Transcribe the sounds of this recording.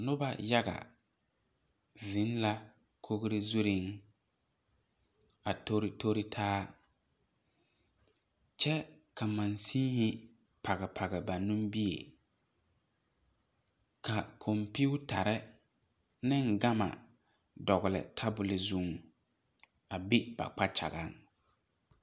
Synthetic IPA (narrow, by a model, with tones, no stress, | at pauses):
nʊ˦ba̰˦ja˦ɡa̰˨ | zɪ˨˦n˦la˦ | kʰo˦ɣɾɪ˦zu˦ɾɪ˦ŋ | a˨to˦ɾtʰo˦ɾɪ˦tʰaː˦ | t͡ʃɛ˦ | ka˨ma˨nsiː˦hɪ˦ | pa˨ɣɛ˨pʰa˨ɡɛ˨ba˨nũ˦mbi˦ḛ˨ | kʰa˨kʰo˨mpi˦u˦ta˨ɾɛ˦ | nɪ˦ŋɡa˦ma̰˨ | dɔ˨ɣʊ˨lɪ̰˨tʰa˦bʊ˨lɪ˨zu˨ŋ˨ | a˨bɪ˦b̥a̰˨k͡pa˦t͡ʃa̰˨ɡa̰˨˦ŋ